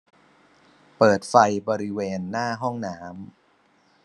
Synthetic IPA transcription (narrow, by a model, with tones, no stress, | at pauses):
pɤː˨˩t̪̚fa˧jbɔː˧ɾi˦˥weː˧nːaː˥˩ɦɔ˥˩ŋnaː˩˦˥m